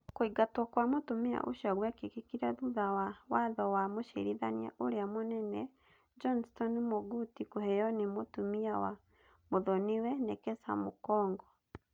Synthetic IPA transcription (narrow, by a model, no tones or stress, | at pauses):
koiɡatwɔkwamotomia̰ʔo̰ʃaɣwɛkekekiɾaðuðawawaðɔwamoʃḛɾiðania̰ʔoɾeamonɛnɛ | d͡ʒɔnstɔnmoɡutikohɛjɔnemotomiawa | moðɔniwɛnɛkɛsa̰mokɔːŋɡɔ